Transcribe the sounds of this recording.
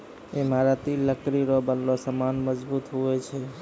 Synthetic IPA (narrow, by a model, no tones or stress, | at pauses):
emaɾat̪iləkɾiɾɔbənlɔsəmanməd͡ʒbut̪ɦuɛt͡ʃʰɛ